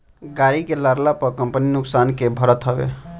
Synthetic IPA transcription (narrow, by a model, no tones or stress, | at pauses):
ɡaɾikelaɾlapəkəmpəninʊksankebʱəɾət̪ɦʌbḛ